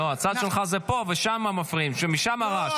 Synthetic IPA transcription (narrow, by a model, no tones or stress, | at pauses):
oat͡sad̪ʃelχazepo̞veʃamamafʁimʃemiʃamaʁaʃ